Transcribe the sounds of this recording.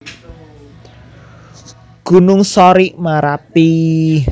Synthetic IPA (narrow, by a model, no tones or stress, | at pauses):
ɡ̥ṳnʊŋsɔɾiʔmaɾapi